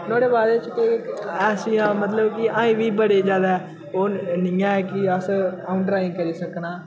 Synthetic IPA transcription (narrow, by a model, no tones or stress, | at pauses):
noːɽeːbaːd̪et͡ʃkekɛːsijãːmət̪ləbkɪãːĩːʋiːbəɽeːd͡ʒjaːd̪aːɛː | oːnɪjãːɛːkɪəsaːʊɳʈɾaːɪ̃ːkəɾiːsəknaː